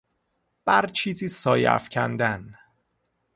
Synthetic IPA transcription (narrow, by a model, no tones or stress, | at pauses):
b̥æɾt͡ʃʰiːziːsɒːjæ̰fcʰæ̰nd̪æn